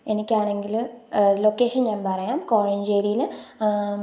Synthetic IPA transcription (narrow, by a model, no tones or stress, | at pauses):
enikʲːaːɳe̞ŋɡilloːkːeːʂɐnɲaːnpɐrɐjaːmkoːɻiɲd͡ʑeːɾijil